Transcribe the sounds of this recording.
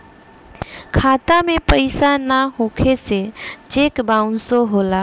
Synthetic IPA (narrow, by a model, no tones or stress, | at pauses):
kʰat̪amẽpəɪsanaɦũkʰeset͡ʃekbaʊnsoɦola